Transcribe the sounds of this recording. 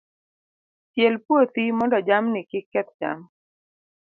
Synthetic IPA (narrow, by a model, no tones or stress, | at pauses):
t͡ʃjɛlpwot̪imɔndɔd͡ʒamnɪkɪkːɛt̪̚d͡ʒa̰m